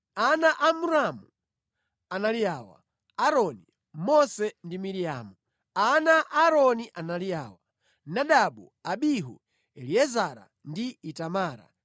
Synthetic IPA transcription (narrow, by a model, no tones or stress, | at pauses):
anaʔamuɾamu | analijaːwa̰ | aɾɔni | mɔsɛndimiɾija̰ːmu | anaʔaɾɔniʔanalijaːwa | naɗaɓu | aɓiɦṵ | ɛliɛzaɾa̰ | ndiːtamaːɾa̰